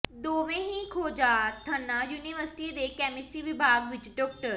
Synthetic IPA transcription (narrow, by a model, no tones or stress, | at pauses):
d̪oːʋẽɦĩkʰoːd͡ʒaːɾt̪ʰɐnːajuːniʋəɾsɪ̥ʈid̪ekɛːmɪsɾiʋɪbʱaːɡʋɪt͡ʃɖɔːk̚ʈəɾ